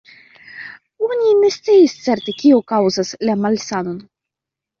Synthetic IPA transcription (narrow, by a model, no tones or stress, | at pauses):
onʲine̞st̪t͡siist͡seɾt̪ekʲiokawzaslamalsano̞n